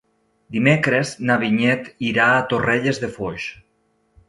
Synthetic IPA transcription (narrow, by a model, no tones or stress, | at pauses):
d̪imekɾeznaβiɲɛt̪iɾaːt̪oreʎezðefoʃ